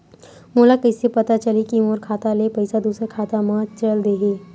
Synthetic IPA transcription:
moːlakəɪsepɐt̪at͡ʃɐlikimoːɾkʰaːt̪alepɐɪsad̪uːsəkʰaːt̪amãt͡ʃəld̪eːɦeː

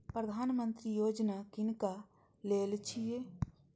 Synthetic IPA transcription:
pɾəd̪ʱaːnmə̃nt̪ɾijoːd͡ʒnakɪnka | leːlt͡ʃʰie

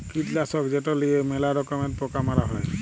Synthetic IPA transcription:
kitlasɔkzɛtɔlijɛmɛlaɾɔkɔmɛnt̚pɔkamaɾaɦɔj

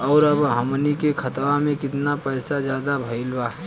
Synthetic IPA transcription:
ɔːɾəbɦəmnikekʰət̪ʋamẽkɪt̪napəːsazjaːd̪abʱəɪlbaɦ

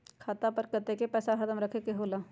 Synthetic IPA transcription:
kʰaːt̪apəɾkət̪ekepɛːsaxɐd̪əmɾɐkʰekeɦoːlaː

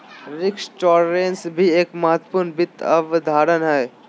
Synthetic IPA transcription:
ɾɪksʈɔːɾɾẽnsbʱieːkmɐɦət̪wəpuːɾnbɪt̪ːɐʋd̪ʱaːɾənɦɛː

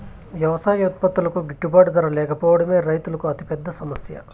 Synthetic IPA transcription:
ʋjɐʋɐsaːjuːt̪̚pɐt̪ːulɐkuɡiʈːupaːɽud̪ɐɾɐlɛːkʰɐpɔːʋɐɽɐmeːɾɐjt̪ulɐkuɐt̪i̥pɛd̪ːɐsɐmɐsjɐ̰

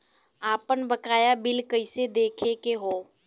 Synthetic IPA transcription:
aːpənbəkaːjabɪlkəɪsed̪eːkʰekeɦoː

